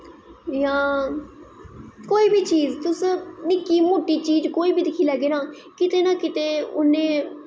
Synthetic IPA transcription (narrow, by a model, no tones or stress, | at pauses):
jãː | koːiːbiːt͡ʃiːd͡ʒt̪ʊsnɪkiːmoːʈiːt͡ʃiːd͡ʒkoːiːbʱiːd̪ɪkʰːiːlɛːɡeːnaː | kɪt̪eːnaːkɪt̪eːʊnẽː